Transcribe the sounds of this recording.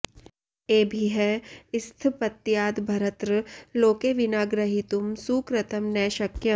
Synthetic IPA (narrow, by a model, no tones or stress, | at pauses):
eːbʱiɦɛɪst̪ʰpɐt̪jaːd̪bʱɐɾət̪ɾəloːkeːʋɪnaːɡɾɐɦit̪ʊmsuːkɾɐt̪ɐmnɛːʃɐkjɐ